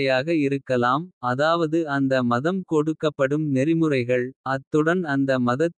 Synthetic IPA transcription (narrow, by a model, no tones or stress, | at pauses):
ɐjaːɣɐɪɾɯkːɐlaːmɐðaːʋɐðɯɐnd̪ɐmɐðɐmkɔɽɯkːɐpːɐɽɯmnɛɾɪmɯrɐɪɣɐɭɐt̪ːɯɽɐnɐnd̪ɐmɐðɐt̪ː